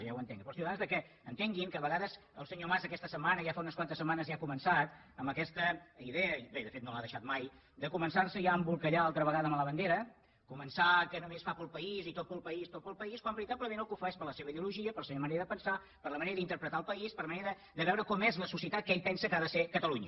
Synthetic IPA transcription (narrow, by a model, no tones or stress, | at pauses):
ʒawənt̪ḛŋɡəpɾɔsiɣanzðəkɛ | ənt̪eŋɡiŋkəβəɣaðəz | əlˠsəɲomazəkɛst̪əsəmːanəʒafaunəskwant̪əsəmanəzjakumənsat̪ | əmbəkɛst̪əiðeəbeðəfet̪nolaðəʃat̪̚maj | d̪əkumənsarsəjaəmbulˠkəʎaalˠt̪ɾəβəɣaðəmləβənd̪eɾə | kumənsakənumesfapəlˠpəizit̪ot̪̚pəlˠpəist̪ot̪̚pəlˠpəiskwambəɾit̪apləmẽnəlˠkufaɛspəɾləseβəiðiuluʒiəpəɾləseβəməneɾəðəpənsa | pəɾləməneɾəðint̪əɾpɾət̪aəlˠpəispəɾləməneɾə | d̪əβɛwɾəkɔmɛzləsusiət̪at̪̚keʎpɛnsəkaðəsekət̪əluɲə